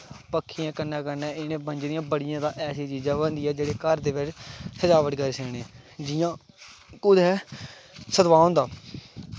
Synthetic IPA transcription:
pəkʰːɪjãːkənːɛ̃ːkəɾnɛ̃ːɪnẽːbənd͡ʒɾijãːbəɽɪjãːd̪aːʔɛːsiːt͡ʃiːd͡ʒãːbə̃nd̪iːɛːd͡ʒeːɽeːkəɾd̪eːʋɪt͡ʃsəd͡ʒaːʋəʈɡəɾeːsəːɽẽd͡ʒɪjãː | kʊd̪ɛː | səd̪ʋaːõːnd̪aː

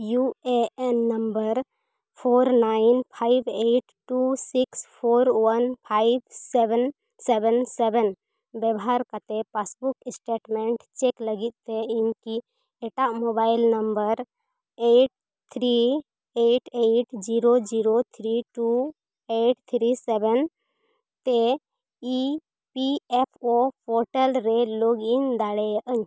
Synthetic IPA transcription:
jueɛnːəmbəɾ | pʰoɾnainpʰaibeʈʈusikspʰoɾwənpʰajb̚sɛbɛn | sɛbɛnsɛbɛn | bɛbɔɦaɾkət̪epasbuksʈeʈmɛ̃ɳʈt͡ʃekləɡit̪̚t̪einki | ɛʈaʔmobajlnəmbəɾ | eʈ̚ | t̪ʰɾi | eʈeʈd͡ʒiɾod͡ʒiɾot̪ʰɾiʈu | eʈt̪ʰɾisɛbɛn | t̪e | i | piɛpʰopʰɔɾʈəlɾeloɡind̪aɽɛjəʔəɲ

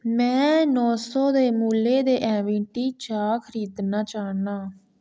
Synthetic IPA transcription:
mɛ̃ːnɔːsɔːd̪eːmuːleːd̪eːʔɛ̃ːʋɪ̃ːʈiːt͡ʃaːkʰɾiːd̪naːt͡ʃaːnaː

